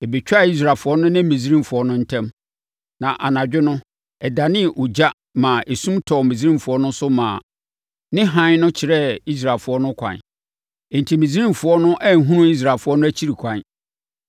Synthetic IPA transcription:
e˨be˨t͡ɕᶣa˦˨i˦s̬ɾaː˨fʊ˨˦ɔ˦nʊ̃˦nɪ̃˦mĩ˨z̬i˦ɾĩ˦mfʊ˨ɔ˦nʊ̃˦n̩˦tʰɛ̃˦m | nã˨ʔa˨nã˨d͡ʑᶣɪ˦nʊ̃˦ | ɛ˨da˨nɪ̃˦˨ʔu˨d͡ʑa˦ | mã˨ʔe˨sũ˦mtʰɔ˨mĩ˨zɾĩ˦mfʊ˨ɔ˦nʊ̃˦sʊ˦mãː˨ | nɪ̃˦ɦã˦n˦nʊ̃˦t͡ɕʰɪ˨ɾɛ˦i˦s̬ɾa˨lfʊ˨˦ɔ˦nʊ̃˦kʷʰã̰˨n˨ | n̩˨tʰi˨mĩ˨zi˦ĩ˦mfʊ˨ɔ˦nʊ̃˦ʔɛ˦n̩˨ɦũ˦ɾũ˦i˦s̬ɾa˨fʊ˨˦ɔ˦nʊ̃˦æ˦t͡ɕʰi˦ɾi˨kʷʰã˨n

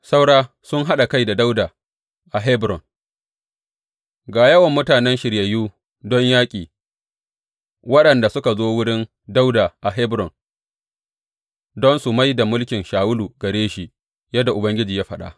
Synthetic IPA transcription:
sa˦wɽaː˦ | sʊ˦ŋɦa˦ɗa˨ka˦jda˨da˦wdaː˨ | ʔa˨ɦɛ˦bɾɔ˨ŋ | ɡaː˨jɐ˦wɐ˨mːʊ˦taː˨nɛ˦nʃɪ˨ɽjɐ˨juː˦ | dɔ˦ɲjaː˦kʲʼiː˨ | wɐ˦ɗɐ˨nda˨sʊ˦ka˨zoː˦wʊ˦ɽɪ˦n | da˦wda˨ʔa˨ɦɛ˦bɾɔ˨n | dɔ˦nsʊ˨ma˦jda˨mʊ˦lkʲɪ˨nʃaː˨wʊ˦luː˨ɡɐ˨ɽeː˦ʃi˨ʔ | jɐ˦dːa˨ʔʊ˨bɐ˦ŋɡʲɪ˦d͡ʒiː˨jaː˦ɸɐ˦˨ɗa̰˦

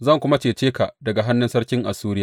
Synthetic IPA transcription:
zɐ˦˨ŋkʷʊ˦ma˦t͡ʃeː˨t͡ʃeː˦ka˨ʔdɐ˨ɡa˨ɦa˦nːɪ˦nsɐ˦ɾkʲɪ˦ŋʔa˨suː˦ɽɪ˦ja˦˨

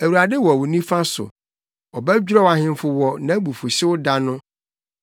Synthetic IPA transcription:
æ˨wu˨ɾa˨dɪ˦wɔ˨wʊ˨nĩ˦fã˦sʊ̰˨ | ɔ˨bɛ˦d͡ʑᶣɾɔ˦wa˨hɪ̃˦m˦fʊ˦wɔ˦nã˦bu˨fʊ˨ɕɪ˦wʊ˦da˦nʊ̃˦

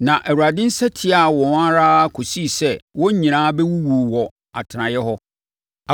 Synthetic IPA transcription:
nã˨ʔæ˨wu˨ɾa˨dɪ̃˦n̩˦sɛ˦tʰɪ˦a˨wɔ̃˨˦a˦ɾaː˦kʰo˨si˦˨sɛ˦˨wɔ̃˦ɲĩ˨ñãː˦bɛ˦wu˦wu˨wɔ˨ | a̰˨tʰɪ˨nã˨jɛ˦ɦɔ˦˨

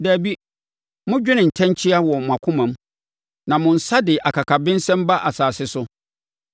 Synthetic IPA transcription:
dæː˨bi˦ | mʊ̃˦d͡ʑᶣɪ˦nɪ̃˨n̩˨tʰɛ̃˦nt͡ɕʰi˦a˦wɔ˨ã˨kʷʰʊ̃˦mã˨m | nã˨mʊ̃˨n̩˨sa˦dɪ˨ʔa˨kʰa˨kʰa˨bɪ̃˦n˦sɛ̃˦mba˦ʔa˨saː˨sɪ˦sʊ˦

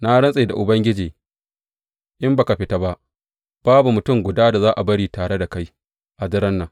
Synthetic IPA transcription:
na˦ɽɐ˦nsʼe˨da̰˨ʔʊ˨bɐ˦ŋɡʲɪ˦d͡ʒiː˨ | ʔɪ˦mba˨ka˨ɸɪ˦ta˦ba˦ʔ | b̥aː˦bu˨mʊ˨tʊ˦˨mɡʷʊ˨daː˦da˨zaː˦ʔa˨bɐ˦ɽiː˨taː˨ɽe˦da˨ka˦j | ʔa˨dɪ˦ɾɐ˦nːaː˨

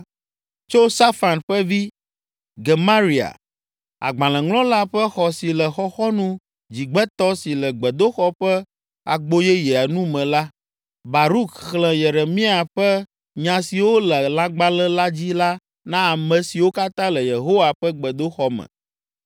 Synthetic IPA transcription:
t͡ʃo˦sa˦fa˨nɸɛ˦vi˦ | ɡeɛ˨ma˦ɾi˨a̰˨ | a̰˨ɡ͡bã˨lɛ̃˨ŋlɔ̃˦la˦ɸɛ˦xɔ˨si˨lɛ˨xɔ˦xɔ˦nũ˦ | d͡ʑi˨ɡ͡bɛ˦t̪ɔ˦si˨lɛ˨ɡ͡bɛ˨d̪o˦xɔ˦ɸɛ˦ | a˨ɡ͡bo˦jɛ˦je˨a˨nũ˦mɛ̃˨la˦ | ba˨ɾu˦kxlɛ̃˨jɛ˨ɾɛ˨mĩ˦a˨ɸɛ˦ | ɲã˨si˨wo˦lɛ˨la˦ɡ͡ba˦lɛ̃˦la˦d͡ʑi˦la˦ | nã˦a˨mɛ̃˨si˨wo˦ka˦t̪ã˦lɛ˨je˨ɦo˦wa˨ɸɛ˦ɡ͡bɛ˨d̪o˦xɔ˦mɛ̰̃˨

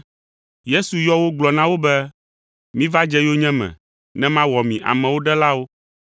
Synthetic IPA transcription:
je˦su˨jɔ˦wo˦ɡ͡blɔ˨nã˦wo˦bɛ˦ | mĩ˦va˦d͡ʒɛ˦jo˦ɲɛ̃˦mɛ̰̃˨ | nɛ̃˦mã˦wɔ˨mĩ˨ʔa̰˨mɛ̃˨wo˦ɖɛ˦la˦wo˦

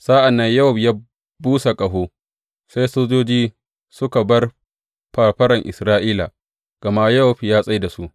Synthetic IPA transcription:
sa˦ʔa˨nːɐ˦ɲjɐ˦hʊ˨ɸjaː˦ | buː˦sa˨kʼɐ˨ɦoː˦ | sa˦jsoː˦d͡ʒoː˦d͡ʒiː˦ | sʊ˦ka˨bɐ˦r | ɸaː˨ɸɐ˦ɾɐ˨ŋʔɪ̰˨sɾaː˦ʔiː˦la̰˨ | ɡ̥ɐ˨ma˦jɐ˦wʊ˨ɸi˨jaː˦sʼa˦jda˨su˦ʔ

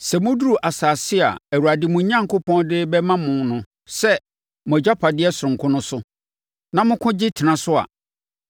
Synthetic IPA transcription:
sɛ˨mʊ̃˦du˦ɾu˨ʔa˨saː˨sɪ˦a̰˨æ˨wu˨ɾa˨dɪ˨mʊ̃˨˦ɲã˦ŋ̩˨kʊ˦pʰɔ̃˦ndɪ˦bɛ˦mã˦mʊ̃˨nʊ̃˨ | sɛ˦ | mʊ̃˨ɛ˨d͡ʑa˦pʰa˨dɪ˦ɛ˦sʊ˨ɾʊ̃˨ŋ˨kʰʊ̃˦nʊ̃˦sʊ˦ | nã˨mʊ̃˦kʰʊ̃˦d͡ʑɪ˦tʰɪ˨nã˨sʊ˦a̰˨

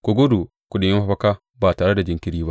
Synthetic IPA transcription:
ko˨ɡo˦du˨ | kʷʊ˨ɗɪ˨˦jɪ˦ɸa˦ɸɐ˦ka˦ | ba˨taː˨ɽe˦da˨d͡ʒɪ˨˦ŋkʲɪ˦ɾiː˦ba˦ʔ

